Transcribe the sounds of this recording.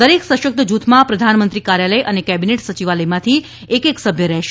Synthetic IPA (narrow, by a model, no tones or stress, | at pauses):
əɾeksəʃək̚t̪əd͡ʒut̪ʰmãpɾəd̪ʱanmənt̪ɾikaɾjaləjʔənekɛbineʈsət͡ʃiʋaləjmãt̪ʰi | ekeksəbʱjəɾɛɦʃ